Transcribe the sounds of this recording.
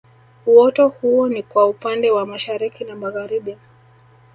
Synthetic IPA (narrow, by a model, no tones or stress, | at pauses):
uwɔtɔhuɔnikwaupandɛwamaʃaɾikinamaɣaɾiɓia